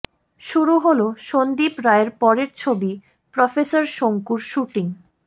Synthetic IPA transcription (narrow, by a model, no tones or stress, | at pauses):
ʃuɾuɦoloʃond̪ipɾaeɾpɔɾeɾt͡ɕʰobi | pɾɔfesoɾʃoŋkuɾʃuʈiŋ